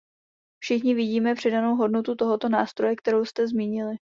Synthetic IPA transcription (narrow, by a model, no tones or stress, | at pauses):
fʃɪxɲɪvɪɟiːmɛpr̝̥ɛdano̞wɦo̞dnot̪ut̪o̞ɦo̞t̪o̞naːst̪ɾo̞jɛk̚t̪ɛɾowst̪ɛzmiːɲɪlɪ